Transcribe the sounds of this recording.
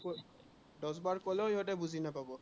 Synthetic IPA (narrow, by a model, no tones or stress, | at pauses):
dɔs̬baɹkɔlɔiɦɔtɛbuzinapabɔ